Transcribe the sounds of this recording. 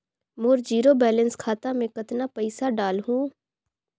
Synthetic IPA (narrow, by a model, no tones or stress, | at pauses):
moːɾd͡ʒiːɾobɛːlə̃nskʰaːt̪amẽkɐt̪napɐɪsaɖaːlɦũː